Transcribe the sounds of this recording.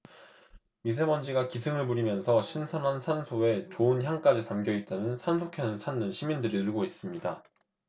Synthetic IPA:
mis̬ʰe̞mʌnd͡ʑiɡakisʰɯmɯɭpuɾimjʌnsʰʌɕʰinsʰamɦansʰansʰoe̞t͡ɕoɯnçjaŋk͈ad͡ʑitamɡjʌit̚t͈anɯnsʰansʰokʰjʌnɯnsʰanːɯnɕʰimindɯɾiɯɭɡois͈ɯmɲida

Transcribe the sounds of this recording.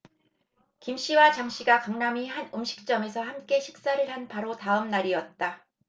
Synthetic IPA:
kimɕ͈iwat͡ɕaŋɕ͈iɡakaŋnamihanɯmɕʰi̥k̚t͡ɕ͈ʌme̞sʰʌhamk͈e̞ɕʰi̥k̚s͈aɾɯɭhanpaɾotaɯmnaɾiʌt̚t͈a

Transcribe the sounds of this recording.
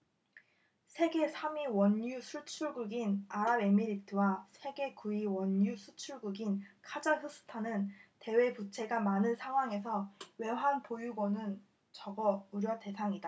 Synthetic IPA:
sʰe̞ɡe̞sʰamiwʌɲjusʰuɭt͡ɕʰuɭɡuɡinaɾabe̞miɾitʰɯwasʰe̞ɡe̞kuiwʌnjusʰut͡ɕʰuɭɡuɡinkʰad͡ʑaɸɯsʰɯ̥tʰanɯnte̞we̞put͡ɕʰe̞ɡamanɯnsʰaŋɦwaŋe̞sʰʌwe̞ɦanpojuɡʌnɯn | t͡ɕʌɡʌuɾjʌte̞sʰaŋida

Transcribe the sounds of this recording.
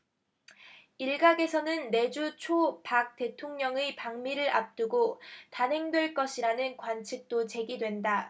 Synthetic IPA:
iɭɡaɡe̞sʰʌnɯnːe̞d͡ʑut͡ɕʰopak̚t͈e̞tʰoŋɲʌŋepaŋmiɾɯɾa̰p̚t͈ɯɡotanɦe̞ŋdwe̞ɭk͈ʌɕʰiɾanɯnkwant͡ɕʰik̚t͈ot͡ɕe̞ɡidwe̞nda

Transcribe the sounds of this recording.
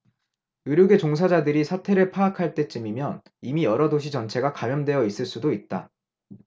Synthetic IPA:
ɯɾjoɡe̞t͡ɕoŋs̬ʰad͡ʑadɯɾisʰatʰe̞ɾɯɭpʰaːkʰaɭt͈e̞t͡ɕ͈ɯmimjʌn | imijʌɾʌdoɕ̬ʰit͡ɕʌnt͡ɕʰe̞ɡakamjʌndwe̞jʌis͈ɯɭs͈udoit̚t͈a̰

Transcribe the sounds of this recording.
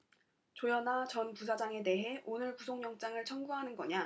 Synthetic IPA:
t͡ɕojʌnat͡ɕʌnpus̬ʰad͡ʑaŋe̞de̞ɦe̞ʔonɯɭpusʰoŋɲjʌŋt͡ɕ͈aŋɯɭt͡ɕʰʌnɡuɦanɯnɡʌɲa

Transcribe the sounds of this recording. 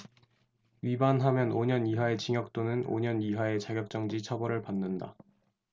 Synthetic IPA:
ɥibanɦamjʌnoɲʌniɦae̞t͡ɕiŋjʌk̚t͈onɯno̰ɲʌniɦae̞t͡ɕaɡjʌk̚t͡ɕ͈ʌŋd͡ʑit͡ɕʰʌbʌɾɯɭpanːɯnda

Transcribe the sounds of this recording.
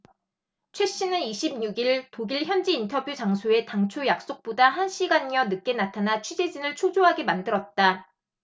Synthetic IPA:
t͡ɕʰwe̞ɕ͈inɯniɕʰim̚ɲuɡiɭtoɡiɭçjʌnd͡ʑiːntʰʌbjut͡ɕaŋsʰoe̞taŋt͡ɕʰojak̚s͈ok̚p͈odaɦanɕ͈ʰiɡaɲjʌnɯk̚k͈e̞natʰanat͡ɕʰɥid͡ʑe̞d͡ʑinɯɭt͡ɕʰod͡ʑoɦaɡemandɯɾʌt̚t͈a

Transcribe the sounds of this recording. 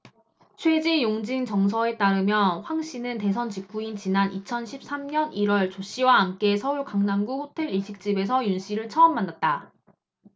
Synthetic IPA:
t͡ɕʰwe̞d͡ʑejoŋd͡ʑiŋt͡ɕʌŋs̬ʰʌe̞t͈aɾɯmjʌnɸwaŋɕ͈inɯnte̞s̬ʰʌnt͡ɕikp͈ʰuint͡ɕinanit͡ɕʰʌnɕʰip̚s͈amɲʌniɾwʌɭt͡ɕoɕ͈iwaːnk͈e̞sʰʌuɭkaŋnaŋɡuɸotʰe̞ɭiɕʰik̚t͡ɕ͈ibe̞s̬ʰʌjunɕʰiɾɯɭt͡ɕʰʌʌmːanːat̚t͈a

